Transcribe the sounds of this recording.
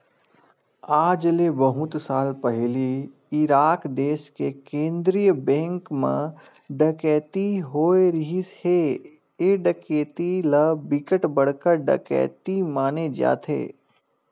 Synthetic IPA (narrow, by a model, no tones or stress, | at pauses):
aːd͡ʒlebəɦʊ̃t̪saːlpɛɦli | ɪɾaːkd̪eːskekẽːnd̪ɾijəbɛ̃ːŋkmḛ̃ | ɖəkɛːt̪iɦoːeɾiɦishe | eɖəkeːt̪iləbɪkəʈbɐɽ̤kəɾɖɐ̰kɛ̰ːt̪imaːned͡ʒa̰ːt̪ʰḛː